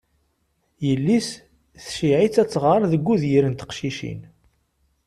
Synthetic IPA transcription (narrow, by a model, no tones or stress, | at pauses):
jəlːis | θʃiʕit͡sːæt͡sːʁəɾˤðəɡʷːuðjiɾənt̪ə̥qʃiʃḭn